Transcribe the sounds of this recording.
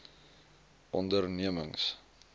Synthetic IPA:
ʔɔndərniəməŋs

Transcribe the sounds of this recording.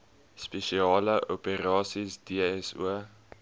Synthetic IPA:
speʃiɑːləʔopeɾɑːsisdiɛsṵə

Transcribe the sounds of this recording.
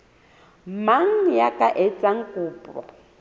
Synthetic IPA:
maŋ̩jakʼaʔɛt͡sʼaŋ̩kʼuːpʼɔ̰

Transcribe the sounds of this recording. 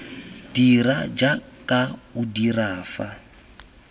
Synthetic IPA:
d̥iɾad͡ʒakʼaudiraːfa

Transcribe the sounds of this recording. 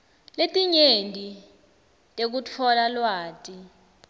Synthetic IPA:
letʼiɲendʱʼi | tʼek̬ut͡fʰɔlalwaːtʼi

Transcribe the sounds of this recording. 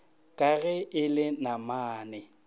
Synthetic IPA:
kʼaɣɛɪlɪnamaːnɛ

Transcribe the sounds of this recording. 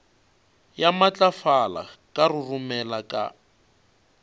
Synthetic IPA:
jamat͡ɬʼafala̰kʼarʊrumɛlakʼa̰

